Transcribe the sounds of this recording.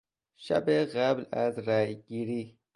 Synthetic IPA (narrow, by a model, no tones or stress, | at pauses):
ʃa̰beɣablazɾaːjɡiɾi